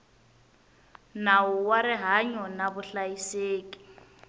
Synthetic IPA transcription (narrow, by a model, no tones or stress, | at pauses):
nawʊwaɾɪɦaɲɔnaβʊɬajiseːki̥